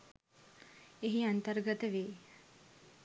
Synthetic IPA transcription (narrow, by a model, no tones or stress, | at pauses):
eɦiant̪ərɡət̪əʋeː